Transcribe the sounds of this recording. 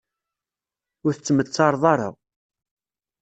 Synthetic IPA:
ʊɾθət͡sːmət͡sːɑɾˤðˤɑɾˤa̰

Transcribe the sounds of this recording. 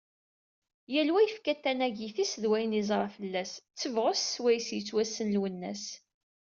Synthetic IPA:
jælwæjəfkæt̪ːænæʝifisðwæjənizˤɾˤɑfəlːæst͡sːəvʁəsswæjsjət͡sːwæsːənlwənːæ̰s

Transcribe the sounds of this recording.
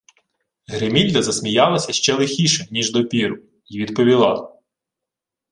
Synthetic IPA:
ɦɾɪmʲilʲːɐzɐsmʲijɑlˠɐsʲɐʃt͡ʃɛlˠɪxʲiʃɛnʲiʒd̪ɔpʲiɾʊ | iʋʲid̪pɔʋʲilˠɑ

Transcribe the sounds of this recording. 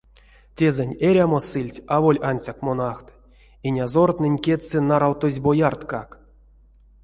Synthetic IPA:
tʲezɛnʲeɾʲamo̞sɨlʲtʲavolʲanʲsʲakmonaxt̪ | inʲazort̪nɨnʲkʲet͡sɨnaɾawt̪ozʲbojart̪kak

